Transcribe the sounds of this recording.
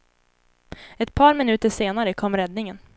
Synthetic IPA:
ɛt̪̚pʰɑːɾmɪnʉːt̪əʂeːnaɾəkʰɔmːɾɛd̪nɪŋən

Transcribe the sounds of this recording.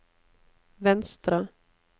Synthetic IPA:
vɛnst̪ɾa

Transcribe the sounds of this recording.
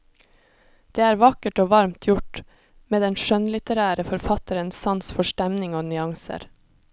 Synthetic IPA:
d̪̥eːæːɾʋɑkəʈoːʋɑɾmt̪ʰjʊʈ | meːd̪ɛnʃœnlɪt̪əɾæːɾəfɔɾfɑt̪əɾənssɑnsfɔʃʈɛmnɪŋoːnʏɑŋsə̰ɾ

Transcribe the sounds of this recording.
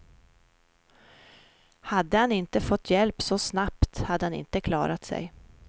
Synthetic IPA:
had̪ːəhanɪnt̪əfɔt̪ʰːjɛlpsɔsnapt̪had̪ːəhanɪ̰nt̪əkʰlɑ̰ːɾat̪sɛ̰j

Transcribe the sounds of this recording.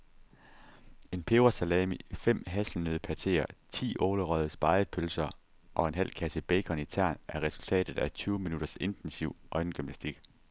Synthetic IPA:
e̝npʰe̝ʊɐsælɛmifem̰ɦæsl̩nøðˠpʰæt͡sʰe̝̰ːɐt͡sʰḭːʔɔːləʁɒð̞ˠəsb̥ɑ̈ɪpʰølsɐ | ʔɒ̽e̝nɦæl̰kʰæsəb̥eɪkʰɒ̽nit͡sʰæɐ̰nʔæɐʁɛsult͡sʰɛ̰ːd̥ð̞̩ˠæt͡sʰyːʊminud̥ɐse̝nd̥ensiʊ̰ʔɒ̽ɪnəɡ̥ymnæsd̥iɡ̥

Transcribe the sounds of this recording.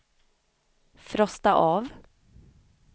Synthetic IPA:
fɾɔst̪aʔɑːv

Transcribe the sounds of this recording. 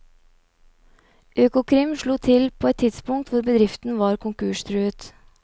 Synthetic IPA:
ʔøːkʊkʰɾɪmʃɭuːt̪ʰɪlpʰoːɛt̪ʰːɪd̪spʊŋt̪ʋʊɾbəd̪ɾɪft̪n̩ʋɑːɾkʊŋkʉːʃt̪ɾʉət̪

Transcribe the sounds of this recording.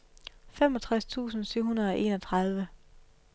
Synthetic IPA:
fem̰ɒ̽t͡sʰʁast͡sʰṵːsn̩syʊ̰hunɐð̞̩ˠɒ̽ʔe̝ːnɒ̽t͡sʰʁɑ̈ð̞ˠʋə

